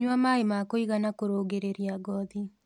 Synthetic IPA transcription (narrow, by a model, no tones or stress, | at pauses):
ɲwamaemakoiɣanakoɾoːɣeɾeɾiaɡɔði